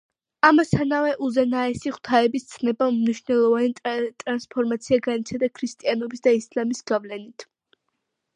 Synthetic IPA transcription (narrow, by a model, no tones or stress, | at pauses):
amast̪ʰanavɛʔuzɛnaɛsiχwt̪ʰaɛbist̪sʰnɛbamniʃvnɛlˠɔvanit̪ʼɾanspʰɔɾmat̪sʰiaɡanit̪sʰad̪akʰɾist̪ʼianɔbisd̪aislamisɡ̥avlɛnit̪ʰ